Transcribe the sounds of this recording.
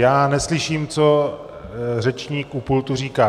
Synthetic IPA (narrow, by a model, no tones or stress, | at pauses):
jaːnɛslɪʃiːmt͡so | rɛt͡ʃɲiːkupult̪uriːkaː